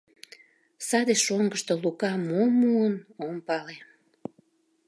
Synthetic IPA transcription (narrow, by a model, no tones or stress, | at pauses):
sɑd̪eʃoŋɡəʃt̪olukɑmomuənompɑle